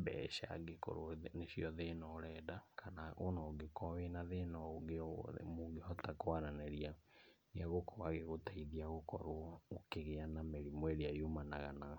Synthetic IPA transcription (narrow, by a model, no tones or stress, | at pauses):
bɛ̰ʃa̰ɡeko̰ɾoneɕjɔðenɔɾɛdakʰanaʔonɔoɡekɔwenaðenɔɡemoɡehɔtakoaɾanɛɾianeaɣokɔwaɣeɣotaiðiaɣokɔɾookeɣeanameɾimweɾeajomanaɣana